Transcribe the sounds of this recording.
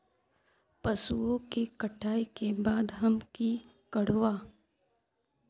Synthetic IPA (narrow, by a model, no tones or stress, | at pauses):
pɐsuõkekɐʈʰaːikebaːd̪ɦɐmki | kɐɽ̤owaː